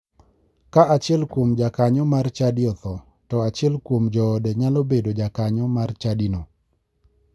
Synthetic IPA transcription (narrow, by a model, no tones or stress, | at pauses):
kaʔat͡ʃɪɛlkwomd͡ʒakaɲɔmart͡ʃadiɔt̪ɔ | tɔat͡ʃɪɛlkwomd͡ʒɔdeɲalobedod͡ʒakaɲɔmart͡ʃadino